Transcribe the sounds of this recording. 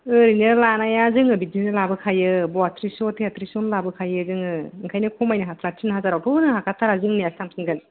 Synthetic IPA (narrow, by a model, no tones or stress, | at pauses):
ɯɾinɯlanajazɯŋɯbidinɯlabɯkʰajɯbɔatʰɾisɔtʰeatʰɾisɔnlabɯkʰajɯzɯŋɯŋkʰajnɯkʰɔmajnɯɦatʰɾatʰinɦazaɾawpʰɯnɯɦakʰatʰaɾazɯŋnijastʰamsɯnɡɯn